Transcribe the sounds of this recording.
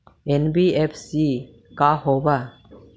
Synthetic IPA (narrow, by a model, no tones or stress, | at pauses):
enbiepʰsi | kaɦɔba